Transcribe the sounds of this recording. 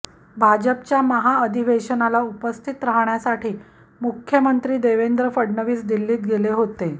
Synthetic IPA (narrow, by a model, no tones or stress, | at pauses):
bʱad͡ʑəpt͡ɕjaməɦaəd̪ʱiʋeɕənalaupəst̪ʰit̪ɾaɦɳjasaʈʰiː | mukʰjəmənt̪ɾiːd̪eʋend̪ɾəfəɽɳəʋiːsd̪ilːiːt̪̚ɡeleɦot̪e